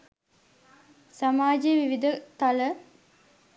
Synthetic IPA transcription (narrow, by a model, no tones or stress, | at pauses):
samaːd͡ʒejʋiʋid̪ət̪alə